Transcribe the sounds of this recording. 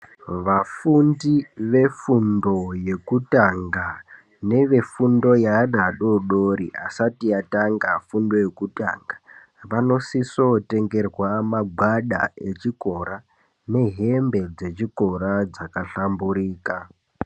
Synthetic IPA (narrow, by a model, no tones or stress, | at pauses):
ʋafundiʋe̞fundo̞je̞kutaŋɡa | ne̞ʋe̞fundo̞janaɗo̞ɗoɾḭʔasatiataŋɡafundo̞je̞kuta̰ŋɡa | ʋano̞siso̞te̞ŋɡe̞rwamaɡʱwaɗa̰e̞t͡ʃiko̞ɾa | ne̞ɦe̞mbe̞d͡ze̞t͡ʃiko̞ɾad͡zakaɬambuɾiːka